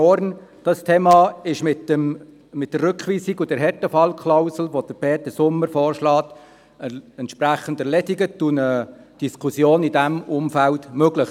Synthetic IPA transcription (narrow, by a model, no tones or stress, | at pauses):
ɔɾnd̥ɑst̪ʰeːmɑːɪʃmɪtːəm | mɪt̚dərrʏkχʋiːsiɡʊdɛɾɦɛɾtəfɑlkʰlaʊsl̩ʋod̥əɾb̥ɛːtəsʊmːəɾfɔːɾʃlɑːt | əɛntʃpɾæχən̩dəɾlɛdiɡətunə | d̥iskʰusjoːnidæmʊmfæltmøɡləχ